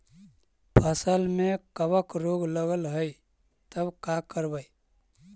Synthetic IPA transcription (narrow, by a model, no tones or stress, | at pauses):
pʰəsəlmẽkəbəkɾoɡləɡəlɦəi | t̪əbkakəɾbəi